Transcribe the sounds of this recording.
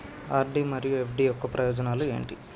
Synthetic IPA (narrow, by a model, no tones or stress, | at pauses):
aːɾɖimɐɾijue̞pʰɖiːjɔkːɐpɾʔɐjɔːd͡ʒɐnaːlue̞̰ːɳʈi